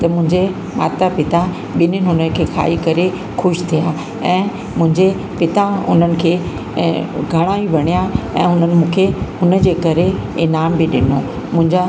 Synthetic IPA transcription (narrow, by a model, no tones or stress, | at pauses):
t̪ɐmʊ̃ɦɪ̃ɲd͡ʑe | ma̰ːt̪apɪt̪a | ɓɪnənɪɦʊnəkʰeːkʰa̰ːikɐɾe | xʊʃt̪ʰija | ɛ̃ː | mʊ̃ɦɪ̃ɲd͡ʑe | pɪt̪aʊ̰nənɪ̆kʰeː | ɡʱɐɽ̃aːĩʋɐɽ̃ijaɛ̰̃ːɦʊnənɪ̆mũːkʰehʊnə̆d͡ʑeːkɐɾeenaːmbɪɗɪno | mʊ̃ɦɪ̃ɲd͡ʑa